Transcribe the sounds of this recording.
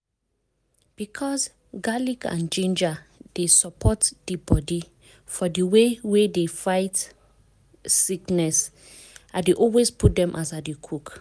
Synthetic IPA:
b̥ikʰɔs | ɡalikã̰nd͡ʒẽnd͡ʒad̥esɔpʰɔtdəbɔdi | fɔdəwewedefaɪt | siknɛs | adeʔɔlwesput̚dɛ̃mʔasadekʰuk

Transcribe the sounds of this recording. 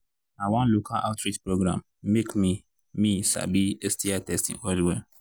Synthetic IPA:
awãnlokʰalʔa̰ʊtɾitpɾoɡɾã̰mː | ekmĩ | mĩsa̰biestʰiatʰɛstḭ̃ŋɔliwɛ

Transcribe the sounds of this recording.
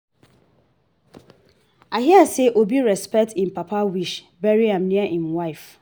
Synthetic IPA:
aɦiaseʔobiɹɛspɛk̚tʰɪ̃n̩papʰawiʃ | bɛɹiãmnĩaʔĩnwaɪf

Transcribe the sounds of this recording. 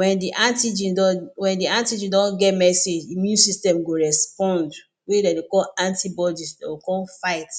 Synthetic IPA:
wɛ̃ndiʔãntid͡ʒĩdɔwɛ̃ndiãntid͡ʒĩndɔ̃nɡɛtmɛsed͡ʒimjũnsistɛ̃mɡoɹɛspɔ̃nd | wedadekɔlãntibɔdisdaokɔlfaɪt

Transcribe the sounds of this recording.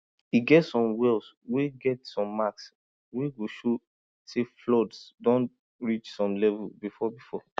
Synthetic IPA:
iɡɛtsɔ̃mwɛls | weɡɛtsɔ̃mːaks | weɡoʃo | seflɔdsdɔ̃n | ɹit͡ʃsɔ̃mlɛvulbifɔbifɔ

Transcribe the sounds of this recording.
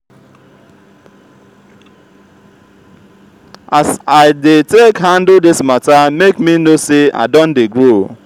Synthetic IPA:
asaɪdɪtekɦan̩dldɪsmatamekminosea̰dɔn̩dɪɡɾo

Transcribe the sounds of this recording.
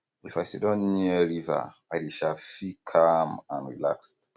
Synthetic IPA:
ifajsidɔ̃nniɛɹiva̰ajdeʃafikʰamãnɹḭla̰kst

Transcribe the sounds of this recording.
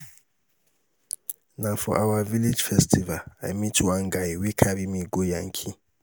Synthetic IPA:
nafɔ̰ʔawaviled͡ʒfɛstʰivalajmitʰwãnɡajwikʰabimiɡojãŋkʰi

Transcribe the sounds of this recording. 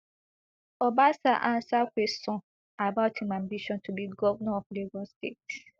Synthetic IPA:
ɔbasaʔãnsakʷesɔ̃ | abaʊtʰimãmbiʃɔ̃ntʰubiɡɔvnɔ̃fleɡɔ̃stet

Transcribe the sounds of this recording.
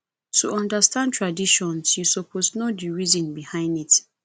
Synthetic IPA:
tʰuɔ̃ndastãntʰɹadiʃɔ̃nsjusopʰosnodiɹizɔ̃nbihãɪ̃ndit

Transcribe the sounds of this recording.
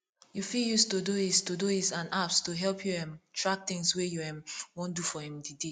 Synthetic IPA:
jufiljustudoistudoisãnʔapstuɦɛlpʰjuɛ̃mtʰɹak̚t̪ɪ̃ŋswɛjuɛ̃mwõndufɔhĩmdide

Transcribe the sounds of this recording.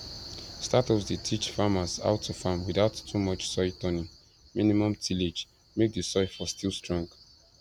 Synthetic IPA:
statɔsdetʰit͡ʃfamasa̰ʊtʰɔfamwiðaʊtʰːumɔt͡ʃsɔɪtʰɔnĩŋ | mĩnimɔ̃mtʰiled͡ʒ | mek̚dəsɔɪfɔstʰilˠstɹɔ̃ŋɡ

